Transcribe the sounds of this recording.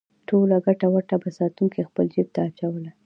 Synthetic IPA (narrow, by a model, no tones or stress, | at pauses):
ʈolaɡaʈawaʈabasɑt̪uŋkexpəld͡ʒib̚t̪aːt͡ʃawəla